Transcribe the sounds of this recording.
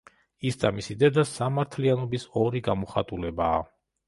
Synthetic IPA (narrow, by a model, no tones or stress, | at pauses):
isd̪amisid̪ɛd̪asamaɾt̪ʰlianɔbisɔɾiɡamɔχat̪ʼulɛba̰ː